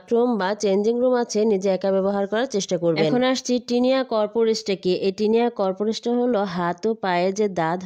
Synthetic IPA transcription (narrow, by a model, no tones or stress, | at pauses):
ɾumbat͡ɕend͡ʑiŋɾumat͡ɕʰenid͡ʑeɛkabɛboɦaɾkɔɾaɾt͡ɕeʃʈakoɾbɛenʰonoaʃt͡ɕʰiʈiniakɔɾpoɾesʈakeʔeʈiniakɔɾpoɾesʈaɦoloɦat̪opajed͡ʑed̪ad̪ʱ